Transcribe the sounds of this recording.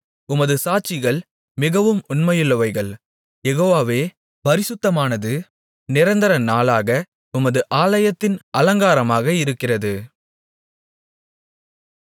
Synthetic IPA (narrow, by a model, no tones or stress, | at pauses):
ʊmɐðɯsaːt͡ʃːɪɣɐɭ | mɪɣɐʋɯmʊɳmɐjɯɭːɐʋɐɪɣɐɭ | jɛɣoːʋaːʋeː | pɐɾɪsɯt̪ːɐmaːnɐðɯ | nɪɾɐnd̪ɐɾɐnaːlaːɣɐ | ʊmɐðɯʔaːlɐjɐt̪ːɪnɐlɐŋɡaːɾɐmaːɣɐɪɾɯkːɪrɐðɯ